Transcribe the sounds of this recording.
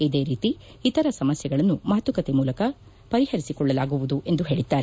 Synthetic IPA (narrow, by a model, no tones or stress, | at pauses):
id̪e̞ːɾiːt̪iː | t̪ɐɾɐsɐmɐsjɐɡɐɭɐnːumɐɦɐt̪ʋukɐt̪emuːlɐkɐ | pɐɾihɐɾisikɔɭːɐlaːɡuʋud̪uʔe̞nd̪uɦe̞ːɭid̪ːaːɾe